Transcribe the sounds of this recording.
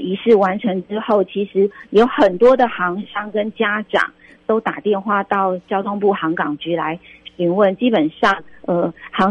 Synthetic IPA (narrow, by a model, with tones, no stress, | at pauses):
i˧˥ʂɻ̩˥˩wa˧˥nʈ͡ʂʰə˧˥ŋʈ͡ʂɻ̩˥xo˥˩ʊt͡ɕʰi˧˥ʂɻ̩˧˥jo˧˥ʊxə˨˩nt̪wɔ˥d̪ə˨xɑ˧˥ŋɕɑ˥ŋkə˦nt͡ɕja˥ʈ͡ʂɑ̰˨˩˦ŋ | t̪o˥ʊt̪a̰˨˩t̪jɛ˥˧nxwa˥˧t̪ɑ˥˩ʊt͡ɕjɑ˥ʊt̪ʰo˥˧ŋp̬u˥˩xɑ˧˥ŋkɑ˨˩ŋt͡ɕy˧˥la˧˦ɪɕi˧˥ŋwə˥˨˩nt͡ɕi˦˥pə˨˩nʂɑ˥˩ŋə˩hɑ˧˥